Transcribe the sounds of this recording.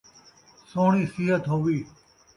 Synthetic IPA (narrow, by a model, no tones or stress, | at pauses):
soːɳ̃iːsiːɦət̪ɦoːʋiː